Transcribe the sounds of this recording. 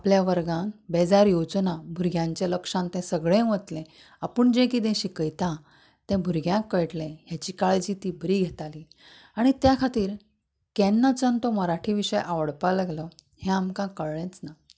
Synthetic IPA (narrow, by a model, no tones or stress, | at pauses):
apljaʋəɾɡãnbed͡zaɾjod͡znabʱuɾɡjãɲt͡ɕjaləkʂãnt̪ɛ̃səɡɭẽʋət̪lɛ̃ | apəːɳd͡ʑẽkiːd̪ɛ̃ɕikəjt̪ã | t̪ɛ̃bʱuɾɡʱjãkːəjʈlɛ̃ɦjat͡ɕikaɭet͡ɕiːt̪ibɾiːɡʱet̪ali | aɽ̃it̪jakʰat̪iːɾ | kɛnːat͡sənt̪oməɾaʈʰiʋiʂəjʔaʋəɽpalaɡlə | hɛ̃amkãkəɭɭɛ̃t͡sna